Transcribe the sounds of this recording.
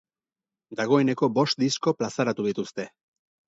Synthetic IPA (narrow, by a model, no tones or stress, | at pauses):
d̪aɣ̞o̞e̞ne̞ko̞bo̞st̪̚d̪isko̞plasaɾat̪uðit̪ust̪e̞